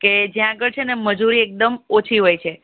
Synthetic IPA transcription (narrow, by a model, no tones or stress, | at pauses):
ked͡ʒjãaɡəɭt͡ʃʰeneməd͡ʒuɾiek̚d̪əmot͡ʃʰiɦojt͡ʃʰe